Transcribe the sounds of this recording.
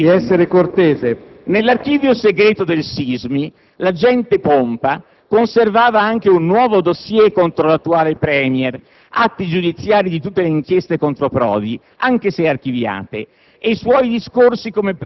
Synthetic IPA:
iɛsːeɾekort̪eːze | nelːark̟iːvjoseɡɾɛːt̪od̪elsizmi | lad͡ʒɛnt̪epompa | konservaːvaaŋk̟eunːwɔːvod̪osjɛkont̪ɾolat̪ːuaːlepɾɛːmjɛr | at̪ːid͡ʒud̪it̪sːjaːɾid̪it̪ut̪ːeleiŋk̟jɛst̪ekont̪ɾopɾɔ̰ːd̪i | aŋk̟eseark̟ivja̰ːt̪ḛː | jswɔjd̪iskorsikome

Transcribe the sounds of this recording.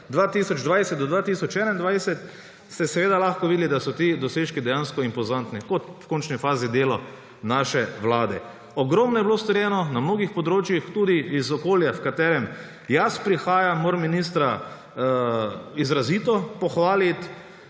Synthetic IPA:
d̪ʋaːt̪isɔd͡ʒd̪ʋajsɛt̪̚d̪ɔd̪ʋaːt̪isɔt͡ʃɛnaind̪ʋajsɛt̪ | st̪ɛsɛʋeːd̪alaxkɔʋid̪lid̪asɔt̪id̪ɔseːʃkid̪ɛjanskɔimpɔzant̪nikɔt̪wkont͡ʃnifaːzid̪eːlɔ | naʃɛʋlaːd̪ɛ̰ | ɔɡɾɔmnɔjɛblost̪ɔɾjɛnɔnamnoːɡixpɔd̪ɾoːt͡ʃjixt̪uːd̪iːzɔkoːljafkat̪ɛːɾɛm | jaspɾixaːjamoɾminis̬t̪ɾa | izɾazit̪ɔpɔxʋaːlit̪

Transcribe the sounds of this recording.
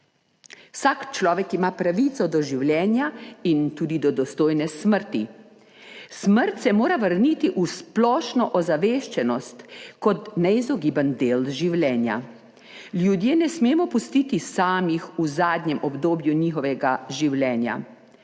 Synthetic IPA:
wsakt͡ʃlɔːʋɛkimapɾaʋit̪sɔd̪ɔʒiwljɛːnjaint̪uːd̪id̪ɔd̪ɔst̪oːjnɛsməɾt̪i | sməɾt̪sɛmoːɾaʋəɾnit̪iʔusplɔːʃnɔʔɔzaʋeːʃt͡ʃɛnɔst̪kɔt̪nɛizɔɡiːbənd̪eːlʒiwlɛːnja̰ | ljud̪jeːnɛsmeːmɔpust̪iːt̪isaːmixuzaːd̪nɲɛmʔɔbd̪oːbjuniːxɔʋɛɡaʒiwlɛːnja̰

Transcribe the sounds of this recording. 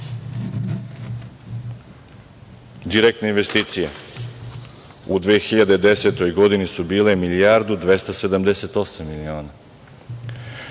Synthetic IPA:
d̪iɾek̚t̪neinʋe̞st̪iːt̪sije | ud̪ʋeːxiʎad̪ed̪eset̪o̞jɡo̞d̪inisubiːle̞milijaɾd̪ud̪ʋest̪ase̞d̪amd̪eset̪o̞samːilio̞ːna

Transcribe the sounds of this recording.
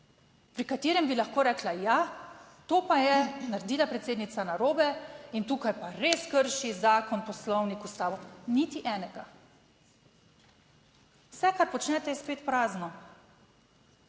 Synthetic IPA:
pɾikat̪eːɾɛmbilaxkoːɾɛːklajat̪oːpajɛnaɾd̪iːlapɾɛt̪seːd̪nit̪sanaɾoːbɛint̪uːkajpaɾeskəɾʃizaːkɔnpɔslɔwnikust̪aːɔnit̪iʔɛːnɛɡa | wsɛkaɾpɔt͡ʃnɛt̪ɛjɛspeːt̪pɾaːznɔ

